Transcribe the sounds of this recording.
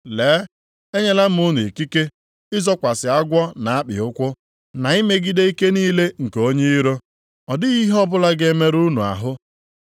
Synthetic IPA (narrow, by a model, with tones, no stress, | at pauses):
leː˨˦ | e˦ɲe˦la˦m̩˦ʊ˦nu˨e˨ki˦ke˦ | ɪ˦zɔ˦kʷa˨sɪ˨a˦ɡʷɔ˦na˨a˦k͡pɪ̰˨ʊ˦kʷʊ˦ | na˨i˦me˦ɡi˦de˦i˦ke˦niː˦le˦ŋ̩˨ke˨o˦ɲe˦i˦ɾo˦ | ɔ˨dɪ˦ɣi˦ɦɔ˦bʊ˦la˦ɡe˦me˦ɾu˦nṵ˨a̰˨ɦʊ˦